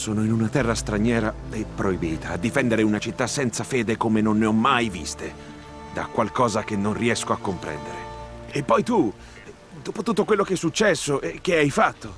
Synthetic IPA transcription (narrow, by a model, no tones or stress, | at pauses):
sɔːnoinunat̪ɛrːast̪ɾaɲjɛːɾaepːɾoibiːt̪aːd̪ːifɛnd̪eɾeunat͡ʃit̪ːasɛnt̪safeːd̪ekomenonːeɔmːajvḭst̪e | d̪a̰kwalkɔːzak̟enːonriɛskoakːompɾɛ̰nd̪eɾeepːɔjt̪u | d̪uːpot̪ut̪ːokwelːokeɛsːut͡ʃːɛsːoʔek̟ːeajfat̪ːo